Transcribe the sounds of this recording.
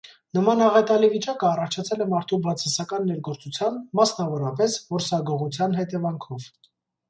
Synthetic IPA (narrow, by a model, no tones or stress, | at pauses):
nəmɑnɑʁɛt̪ɑlivit͡ʃɑkəɑrɑt͡ʃʰɑt͡sʰɛlɛmɑɾt̪ʰubɑt͡sʰɑsɑkɑnːɛɾɡɔɾt͡sut͡sʰjɑnmɑsnɑvɔɾɑpɛsvɔɾsɑɡɔʁut͡sʰjɑnɦɛt̪ɛvɑŋkʰɔv